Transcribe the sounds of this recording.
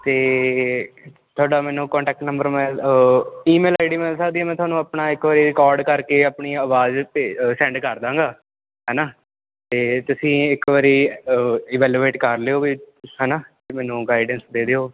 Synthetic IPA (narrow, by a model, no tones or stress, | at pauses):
t̪eː | t̪ʰʊaːɖaːmɛːnũːkɔ̃ːɳʈɛːk̚ʈnə̃mbəɾmɛ̃ː | iːmeːlaːɪɖiːmɛ̃sakd̪iːɛːmɛ̃ːt̪ʊɦaːnũːapnaːɪkʋaːɾeːɾɪkɔːɾɖkəɾkeːaːpɳiːəʋaːzesɛ̃ːɳɖkəɾd̪ãːŋɡaː | ɦɛːnaː | t̪eːt̪ʊsĩːɪkʋaːɾeː | ɪːʋɛːljuːeːʈkəɾleoːbiː | hɛːnaːt̪emɛːnũːɡaːɪɖənsd̪eːd̪eːoː